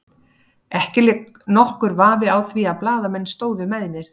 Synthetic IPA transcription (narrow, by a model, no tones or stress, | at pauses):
ɛhcɪlɪk | nɔhkʏɾvaːvɪawθviaplaːðamɛnːst̪oːwðʏmɛjðɪnːɪɾ̥